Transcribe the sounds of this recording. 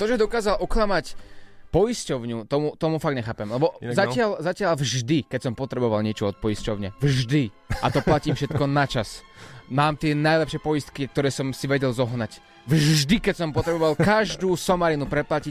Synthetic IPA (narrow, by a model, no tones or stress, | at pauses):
t̪ɔʒɛd̪ɔkaːzalʔɔklamacpɔjiscɔʊɲut̪ɔmut̪ɔmufaɡɲɛxaːpɛmlɛbɔzacɪalzacɪalvʒd̪ikɛcsɔmpɔt̪ɾɛbɔʋalɲɪɛt͡ʃɔɔt̪̚pɔjiscɔʊɲɪɛvʒd̪i | at̪ɔplaciːmfʃɛt̪kɔnat͡ʃasmaːmt̪ɪɛnajlɛpʃɪɛpɔjist̪kik̚t̪ɔɾɛːsɔmsiʋɛɟɛlzɔɦnac | vʒd̪ikɛcsɔmpɔt̪ɾɛbɔʋalkaʒd̪uːsɔmaɾinupɾɛplaci